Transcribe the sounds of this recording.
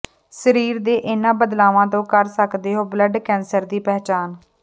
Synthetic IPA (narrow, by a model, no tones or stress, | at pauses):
səɾiːɾd̪eːʔɪnãːbəd̪laːʋãːt̪̬õːkəɾsəkd̪eːɦoːbləɖkɛ̃ːnsəɾd̪iːpɛːt͡ʃaːn